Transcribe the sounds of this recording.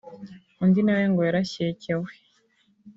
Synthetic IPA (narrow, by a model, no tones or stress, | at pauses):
undinaweŋɡojaɾaɕecewe